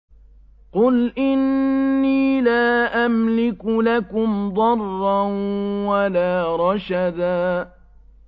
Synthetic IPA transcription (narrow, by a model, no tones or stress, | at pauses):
qʊlʔɪnːiːlaːʔamlɪkʊlakʊmd̪ˤɑrˤːanwalaːɾˤɑʃad̪aː